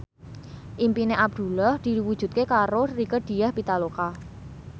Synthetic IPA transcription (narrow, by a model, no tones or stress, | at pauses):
ʔimpineʔab̚d̪̥ṳlɔhd̪̥i̤wud̥ʒ̥ṳt̪̚kekaɾorikəd̥i̤jahpit̪aloka